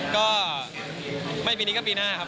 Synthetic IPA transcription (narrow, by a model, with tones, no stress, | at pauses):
kɔː˥˩ | ma˥˩jpiː˧ni˦kɔː˥˩piː˧naː˥˩kʰa˦˥p̚